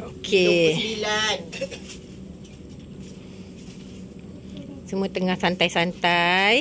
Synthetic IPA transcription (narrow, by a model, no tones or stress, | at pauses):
okʰeilan | səmuat̪əŋahsant̪ajsant̪aj